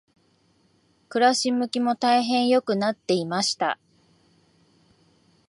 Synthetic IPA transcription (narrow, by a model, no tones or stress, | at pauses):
kɯ̟ɾaɕimːɯ̟kʲimo̞t̪aiɦẽ̞ɰ̃jo̞kɯ̟nat̪ːe̞imaɕi̥t̪a̰